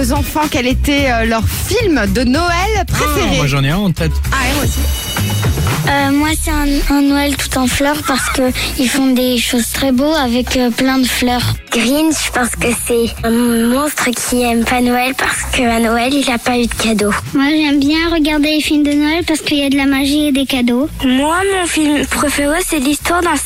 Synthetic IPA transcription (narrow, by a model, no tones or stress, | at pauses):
ozɑ̃fɑ̃kɛlet̪ɛølœʁfilmd̪ənɔɛlpχefeʁeaʒɑ̃nɛɛ̃ɑ̃t̪ɛt̪awɛmwasi | ømwasɛɛ̃ɛ̃nɔɛlt̪u̥t̪ɑ̃flœʁpaʁsə̥kəilfɔ̃d̪eʃozt̪χɛboavɛkøplɛ̃d̪əflœːʁɡ̥ʁinʃə̥paʁsə̥kəsɛ̃mɔ̃st̪χəkʲʰiɛmpanɔɛlpaʁsə̥kəanɔɛlilapayd̪əkad̪omwaʒɛmbjɛ̃ʁəɡaʁd̪elefilmd̪ənɔɛlpaʁsə̥kəiljad̪əlamaʒied̪ekad̪omwamɔ̃filmpχɔfɛwɛsɛlist̪waʁd̪ɑ̃